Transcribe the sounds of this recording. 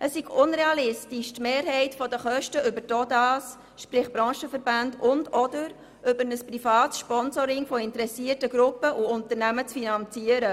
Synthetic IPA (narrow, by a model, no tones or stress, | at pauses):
ʔəsːiɡʊnɾeɑlɪstiʃtmeːɾɦɛɪtfɔdəχœʃtəʔʏbəɾtɔdɑːs | ʃpɾɪχbɾɑ̃ːʃəfəɾbandʊndɔdəɾ | ʔʏbəɾnəspɾifɑːt̪sʃpɔnzɔɾɪŋfɔɪntəɾɛsiətəɡɾʊpəʔʊʊntəɾnæmət͡sfinɑnt͡siəɾə